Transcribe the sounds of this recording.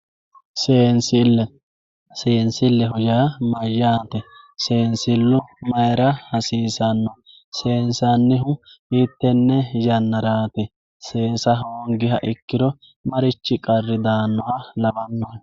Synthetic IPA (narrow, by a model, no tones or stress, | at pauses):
seːnsɪlːɛ | seːnsɪlːɛɦɔjaːmɐjːaːt̪ɛ | se̞ːnsɪlːʊmɐjɾɐhɐsiːsɐnːɔ | seːnsanːɪɦʊhit̪ːɛnːɛjɐnːɐɾaːt̪ɛ | se̞ːsɐɦɐwɔŋɡɪhɐʔɪkːɪd̪ɔ | mɐɾɪt͡ʃːɪkʼɐrːɪd̪aːnːɔwalɐbɐnːɔhɛ